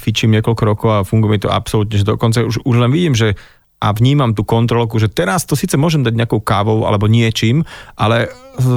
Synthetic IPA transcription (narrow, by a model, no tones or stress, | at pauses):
fit͡ʃiːmɲɪɛkɔʎkɔɾɔkɔʊafuŋɡujɛmit̪ɔa̰psɔlut̪ɲɛʒɛd̪ɔkɔnt͡sauʒuʒlɛnʋiɟiːmʒɛ | ʔaʋɲiːmamt̪uːkɔnt̪ɾɔlkuʒɛt̪ɛɾast̪ɔsiːt͡sɛmʊɔʒɛmd̪aɟɲɛakɔʊkaːʋɔʊa̰lɛbɔɲɪɛt͡ʃiːmʔalɛ